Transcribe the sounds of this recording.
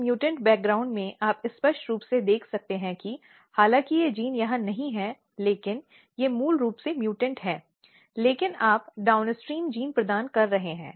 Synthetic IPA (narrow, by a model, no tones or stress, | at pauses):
mjuːʈə̃ɳʈ̚bɛːk̚ɡɾaːʊ̃ɳɖmẽʔaːpɪspɐʃʈɾuːpsed̪eːkʰsɐk̚t̪eɦɛ̃ki | haːlãːkijed͡ʒiːnjɐɦãnɐɦĩɦɛ | leːkɪn | jemuːlɾuːpsemjuːʈə̃ɳʈɦɛː | leːkɪnaːpɖaːʊnɪsʈɾiːnd͡ʒiːnpɾɐd̪aːnkɐɾːɐɦẽɦɛ̃ː